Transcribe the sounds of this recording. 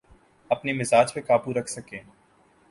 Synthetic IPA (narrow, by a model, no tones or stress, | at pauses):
ɐpnimɪzaːd͡ʒpẽkaːpuɾɐkʰsɐkẽː